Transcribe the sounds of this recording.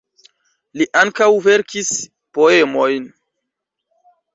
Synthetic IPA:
liʔaŋkawve̞ɾkʰis | po̞e̞mo̞jn

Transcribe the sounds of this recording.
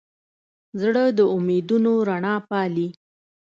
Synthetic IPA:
zɽəd̪əʊmed̪unoɾaɳɑpɑli

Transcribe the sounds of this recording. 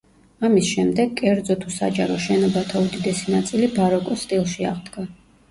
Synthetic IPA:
amisʃɛmd̪ɛɡkʼːɛɾd̪zɔt̪ʰusa̰d͡ʒaɾɔʃɛnɔbat̪ʰaud̪id̪ɛsinat̪sʼilibaɾɔkʼɔst̪ʼilˠʃiaʁd̪ɡa

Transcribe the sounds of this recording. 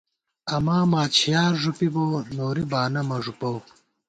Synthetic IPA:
ɐmaːmaːt͡ɕʰijaːɾʐupiboːnoːɾibaːnɐmɐʐupɐw

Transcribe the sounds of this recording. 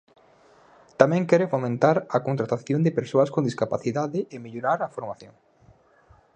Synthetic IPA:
t̪amɛ̃ŋkɛɾɪfomẽnt̪aɾɐkont̪ɾat̪aθjond̪ɪpeɾsoɐskond̪iskapaθiðaðɪɪmeʎoɾaɾɐfoɾmaθjoŋ

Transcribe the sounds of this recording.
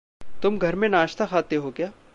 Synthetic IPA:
t̪ʊmɡʱɐɾmẽnaːʃt̪axaːt̪eɦokjaː

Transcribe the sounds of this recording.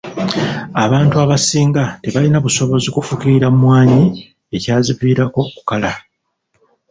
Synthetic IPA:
aβaːntuaβasiːŋɡateβalinaβuso̞βo̞zikufukiɾamwaːɲi | e̞caːziviːɾako̞ku̥kala

